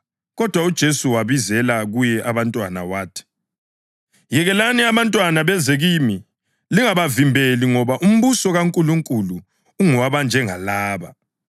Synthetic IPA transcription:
ɣɔd̥ʱwaud̥ʒ̥ʱesuwaβizɛlaɣujɛʔaβantʼwana̰waːtʰi̥ | jɛɣɛlaniaβantʼwanaβɛzeɣimi | liŋaβavimbʱeliŋɔβaʔum̩βusɔɣaŋkʼuluŋkʼuluː | ŋɔwaβand͡ʒʱɛŋalaːβa

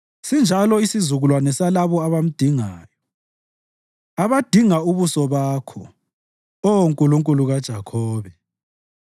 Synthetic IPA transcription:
sind͡ʒʱalɔisizuɣulwanɛsalaβɔaβam̩d̥ʱiŋaːjɔ | aβad̥ʱiŋauβusɔβaːkʰɔ̰ | ɔŋkʼuluŋkʼuluɣad̥ʒ̥ʱakʰɔːβɛ

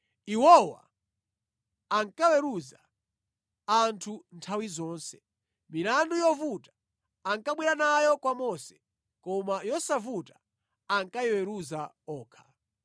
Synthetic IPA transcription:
iwɔwa̰ | ŋkawɛɾuza | antʰuntʰawizɔːnsɛ̥ | miɾandujɔvutḁ | aŋkaɓwiɾanajɔkwamɔsɛ̥ | kɔmajɔsavuta | aŋkajɔwɛɾuza | ɔːkʰḁ

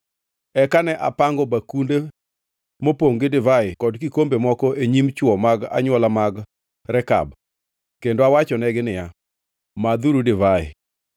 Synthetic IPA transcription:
ɛkanɛʔapaŋɡɔbakunde | mopoŋɡɪdɪvaɪkɔdkikombemɔkɔʔeɲimt͡ʃwɔmaɡa̰ɲwɔlamaɡ | ɾɛka̰b̚ | kendoawat͡ʃɔnɛɡɪnɪja | mad̪uɾudɪvaɪ̰

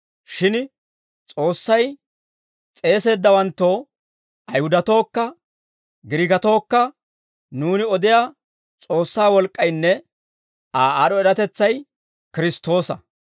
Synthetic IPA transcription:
ʃɪn | t͡sʼo̞ːsːɐj | t͡sʼe̞ːse̞ːd̪ːɐwɐnt̪ːo̞ː | ʔɐjhʊd̪ɐt̪o̞ːkːɐ | ɡɪɾɪɡɐt̪o̞ːkːɐ | nuːnɪɔd̪ɪjaː | t͡sʼo̞ːsːaːwɔlkʼːɐjnːɛ | aːaːɗɔɛɾɐt̪ɛt͡sːɐj | kɪɾɪst̪o̞ːsɐ

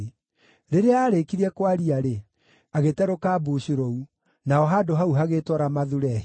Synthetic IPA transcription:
ɾeɾeaːɾekiɾɛkwaɾiaɾe | aɣetɛɾokaːbuɕuɾɔu | naɔɦadoɦauɦaɣetɔɾamaðuɾɛh

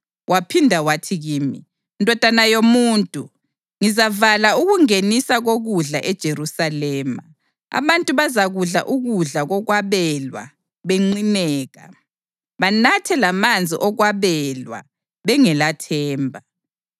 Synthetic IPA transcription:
wʔapʰindʱawatʰiɣiːmḭ | ndʱɔd̥ʱanajomuːntʼu | ŋizavalauɣuŋenisaɣoɣuɮa̰ʔɛd̥ʒ̥ʱeɾusalɛːma̰ | a̰βantʼuβazaɣuɮa̰ʔuɣuɮaɣɔɣwaβɛlwa̰ | βeŋ͡ǀinɛːɣa̰ | βanatʰɛlamand͡zʱḭʔɔɣwaβɛlwa̰ | βɛŋɛlatʰɛːmbʱa

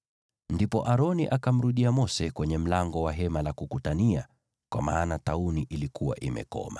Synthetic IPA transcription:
ndipɔ̰ʔaɾɔniʔakam̩ɾuɗiamɔsɛkwɛɲɛm̩laŋɡɔwaɦɛmalakukutania | kwa̰maːnatauniʔilikuwa̰ʔimɛ̰kɔ̰ma

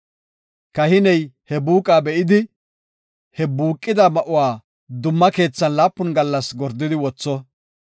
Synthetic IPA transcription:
kɐhɪnɛjhɛbuːkʼaːbɛʔɪd̪ɪ | hɛbuːkʼːɪd̪ɐmɐʔʊwaː | d̪ʊmːɐke̞ːt͡sːɐnlaːpːʊnɡɐlːɐsɡɔɾd̪ːɪd̪ɪwɔt͡sːɔ

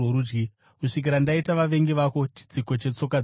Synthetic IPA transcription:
oɾuːd͡ʒɡi | kuʂik̬iɾandaitaʋaʋe̞ŋɡeʋako̞t͡ʃi̥d͡ziko̞t͡ʃe̞t͡so̞k̬a

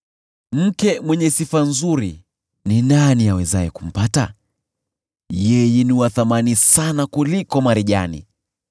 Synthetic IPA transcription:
m̩kɛmwɛɲɛsifanzuɾi | ninaniawɛzajɛkum̩pata̰ | jɛjɛniwaθamanisanakulikɔmaɾiʄa̰nḭ

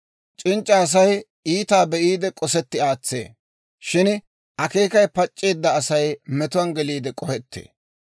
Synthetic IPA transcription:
t͡ʃʼɪnt͡ʃʼːɐːs̬ɐj | iːt̪aːbɛʔiːd̪ɛkʼɔsɛt̪ːɪaːt͡sːḛː | ʃɪn | ʔɐke̞ːkɐjpɐt͡ʃʼːeːd̪ːɐːsɐjmɛt̪ʊwɐnɡɛliːd̪ɛkʼɔhɛt̪ːḛː

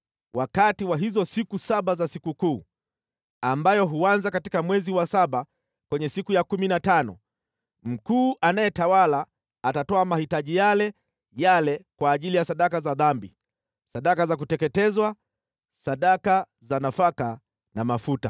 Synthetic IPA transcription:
wʔakatiwaɦizɔsikusaɓazasikukuː | ambajɔɦuanzakatikamwɛziwasaɓa | kwɛɲɛsikujakuminatanɔ̰ | m̩kuːʔanajɛtawalaː | tatɔamahitaʄijalɛ | jalɛkwaːʄilijasaɗakazaðambi | saɗakazak̬utɛkɛtɛzwa | saɗaka | zanafaka | namafuta̰

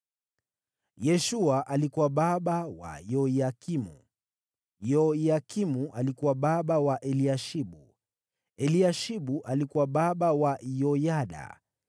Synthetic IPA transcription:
jɛʃuaʔalikuwaɓaɓawa̰jɔjakimṵ | jɔjakimuʔalikuwaɓaɓawaʔɛliaʃiɓu | ɛliaʃiɓuʔalikuwaɓaɓawajɔjaɗa̰

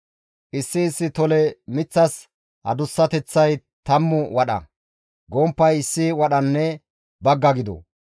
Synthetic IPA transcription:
ʔɪsːɪːsːɪt̪ɔlɛmɪt͡sːɐs | hɐ̰d̪ʊsːɐt̪ɛt͡sːɐj | t̪ɐmːʊwɐɗɐ̰ | ɡɔːmpːɐjɪsːɪwɐɗɐnːɛ | bɐɡːɐɡɪd̪ɔ̰

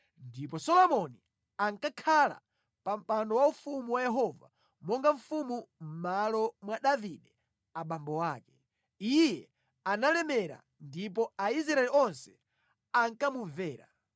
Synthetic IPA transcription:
ndip̬ɔsɔlɔmɔni | aŋkakʰala̰ | pam̩pandɔwaufumuwajɛɦɔva̰ | mɔŋɡaɱ̩fumum̩malɔmwaɗaviɗɛ | aɓambɔwaːkɛ̥ | ijɛ | analɛmɛɾa̰ | ndip̬ɔais̬ɾaɛliɔnsɛ̥ | aŋkamuvɛːɾa̰

